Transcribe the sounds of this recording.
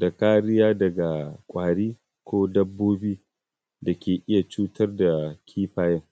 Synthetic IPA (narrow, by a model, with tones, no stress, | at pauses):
da˨kaː˦ɾɪ˦jaː˦dɐ˨ɡa˨kʷʼaː˨ɽiː˦ | kʷoː˦dɐ˦bːoː˦biː˦ | da˨kʲeː˨ʔɪ˦ja˨t͡ʃuː˦tʰɐ˦rda˨kʲʰiː˦ɸaː˦jɛ˦ŋ